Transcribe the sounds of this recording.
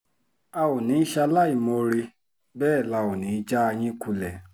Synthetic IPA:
a˧o˨nĩ˨˦ʃa˧la˦˨i˨mõ˧ɾe˧ | bɛː˦˨la˧˨o˨nĩ˨˦d͡ʒa˦a˧j̃ĩ˦ku˧lɛ˨

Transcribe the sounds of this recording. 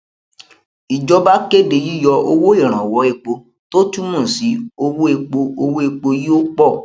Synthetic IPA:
i˨d͡ʒɔ˧ba˦ke˦˨de˧˨ji˦jɔ˧o˧wo˦e˦˨ɾ̃ã˨wɔ˨˦e˧k͡po˧ | to˦tu˦mɔ̃˦˨si˨˦o˧wo˦e˧k͡po˧o˧wo˦e˧k͡po˧ji˦o˦k͡pɔ˦˨

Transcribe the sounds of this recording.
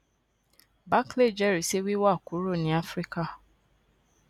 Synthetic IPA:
ba˦kle˦˨d͡ʒɛ˦˨ɾi˨˦se˦wi˦wa˦˨ku˨˦ɾo˦˨nĩ˦a˦fɾi˦ka˦˨

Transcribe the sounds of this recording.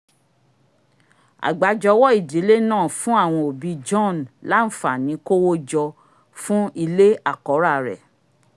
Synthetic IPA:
a̰˨ɡ͡ba˨d͡ʒɔ˧wɔ˦i˦˨di˨˦le˦nãː˦˨fũ˦a˦˨w̃ɔ̃˧o˨bi˨˧d͡ʒɔ̃˦˨n˨la˦n̩˦fa˨nĩ˨˦ko˦wo˦d͡ʒɔ˧ | fũ˦i˧le˦a˦˨kɔ˨˦ɾa˦˨ɾɛ̰˨

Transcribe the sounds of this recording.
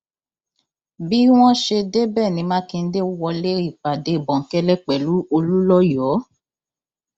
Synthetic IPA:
bi˦w̃ɔ̃˦ʃe˧de˦bɛ˦˨nĩ˧mã˦ki˧n̩˦de˦wɔ˧le˦i˦˨k͡pa˨de˨˦i˨bɔ̃˨ŋ̩˨˦kɛ˦lɛ˦k͡pɛ˨lu˨˦o˧lu˦lɔ˦jɔ˨˦

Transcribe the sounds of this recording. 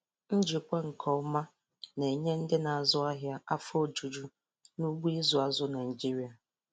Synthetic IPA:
n̩˦d͡ʒi˨kʷa˦ŋ̩˨kʰɔ˨˦ma˦ | ne˨ɲe˦n̩˦dɪ˦na˨a˨zʊ˦a˦ɦja˦a˦fo˦˨d͡ʒu˨d͡ʒu˦ | nu˦ɡ͡bʷu˦i˦zʊ˨a˨zʊ˦na˨i˨d͡ʒi˦ɾi˨˦a˨

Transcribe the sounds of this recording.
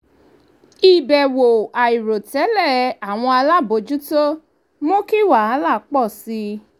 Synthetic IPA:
i˨bɛ˨wo˨a˨i˨ɾo˨tɛ˨˦lɛ˦˨˦a˦˨w̃ɔ̃˧a˧la˦˨bo˨˧˦d͡ʒu˦to˦ | mo˦ki˦˨wa˨a˨˦la˦˨˦k͡pɔ˦˨si˧

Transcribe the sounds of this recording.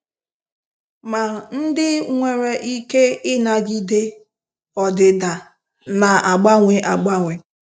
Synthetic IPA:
ma˨n̩˦dɪ˦ŋʷe˨ɾe˨ʔi˦ke˦ɪ˦na˨ɡi˦de˦ | ɔ˨dɪ˨da˨ | na˨ʔa˨ɡ͡ba˦ŋʷe˨ʔa˨ɡ͡ba˦ŋʷe˨

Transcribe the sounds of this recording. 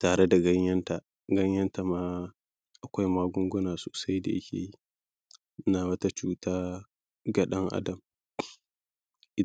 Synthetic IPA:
taː˨ɽe˦da˨ɡɐ˦ɲjɐ˦nta˨ | ɡɐ˦ɲjɐ˦nta˨maː˦ | ʔa˨kʷa˦jmaː˦ɡʷʊ˦ŋɡʷʊ˦naː˨soː˨sa˦jda̰˨ʔɪ̰˦kʲʰḛː˨ji˦ | naː˨wɐ˦ta˦t͡ʃuː˦taː˦ | ɡa˨ɗɐ˦ŋʔa̰˦dɐ˨m | ʔɪ˦

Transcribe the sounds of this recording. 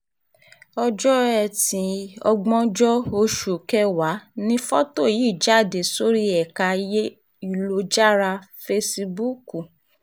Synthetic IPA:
ɔ˧d͡ʒɔ˦ɛ˨tĩ˨ɔ̰˧ɡ͡bɔ̃˦d͡ʒɔ˦o˧ʃu˨kɛ˦wa˨˦nĩ˦fɔ˦to˦˨ji˨˦˨d͡ʒa˦˨de˨so˦ɾi˦ɛ˨ka˧je˦ | i˦lo˧d͡ʒa˦˨ɾa˧fe˧si˧bu˦˨ku˨

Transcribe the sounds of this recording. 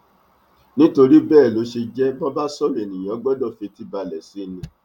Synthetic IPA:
nĩ˦to˧ɾi˦bɛː˦˨lo˨˦ʃe˧d͡ʒɛ˦bɔ˦ba˦sɔ˦˨m˨e˨nĩ˨j̃ã˨˦ɡ͡bɔ˦dɔ˦˨fe˧ti˦ba˧lɛ˨si˨˦˨nĩ˧

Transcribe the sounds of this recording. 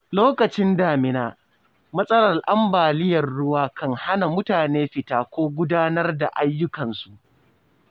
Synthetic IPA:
loː˦kɐ˨t͡ʃɪ˦ndaː˨mɪ˨naː˦˨ | mɐ˦sʼɐ˦ɽɐ˨rʔa˦mbaː˨lɪ˦jɐ˨rɽʊ˦waː˦kɐ˦ŋha˦na˨mʊ˦taː˨neː˦ɸɪ˨taː˦kʷoː˦ɡʷʊ˦daː˦nɐ˦rda˨ʔa˦jːʊ˦kɐ˨nsu˨ʔ

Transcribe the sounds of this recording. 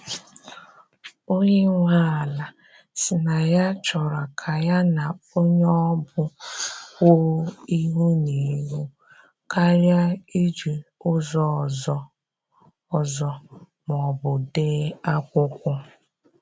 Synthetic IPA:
o˦ɲe˦ŋʷa˦˨la˨ | sɪ˨na˨ja˦t͡ʃɔ˨ɾa˨kʰa˨ja˦na˨o˦ɲ˦ɔ˦bʊ˦kʊ˦i˦ɦu˦ni˨˦ɦu˦ | ka˦ɾja˦i˦d͡ʒi˨ʊ˦zɔ˦˨zɔ˨ | ɔ˨zɔ˨ | m˨ɔ˨bʊ˨de˦a˦kʷʊ˦kʷʊ˦

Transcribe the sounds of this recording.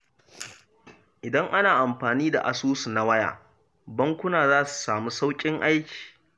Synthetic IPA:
ʔɪ˨dɐ˦ŋʔa˦naː˨ʔa˨mɸaː˨niː˦da̰˨ʔa˨suː˦su˨na˨wɐ˦ja̰ː˨ | bɐ˦ŋkʷʊ˦naː˨zaː˦su̥˨saː˨mu˦sa˦wkʲʼɪ˦ŋʔa˦jkʲi̥ː˨

